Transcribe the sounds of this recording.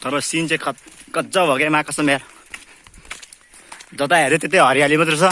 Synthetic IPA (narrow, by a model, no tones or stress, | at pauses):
t̪ʌɾʌsint͡sekkʌt̪d͡zʌbʱʌɡemakʌsʌmer | d͡zʌt̪aɦeɾet̪et̪iɦʌɾjalimʌt̪̬ɾusʰʌ